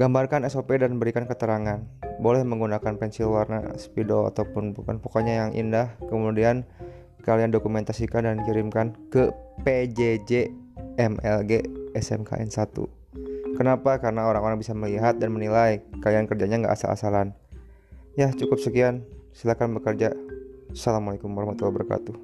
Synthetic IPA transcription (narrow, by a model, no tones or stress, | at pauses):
ɡ̥ambarkanɛsopedanbəɾikankət̪əɾaŋanbolɛhməŋɡunakanpɛnsilwarna̰spidoa̰t̪awpʊnbuka̰npokoɲajaŋʔḭndahkəmudian | kaliandokumɛnt̪asikandankiɾimkankəped͡ʒed͡ʒeɛmɛlɡeɛsɛmka̰ʔɛ̰nsat̪ṵ | kənapakaɾənaoɾaŋoɾaŋbisaməliɦat̪̚danmənilajkaliankərd͡ʒaɲaŋɡa̰ʔa̰sa̰lʔa̰salan | jaht͡ʃukʊp̚səkiansilahkanbəkərd͡ʒasalamualekumaɾahmat̪uabərka̰t̪u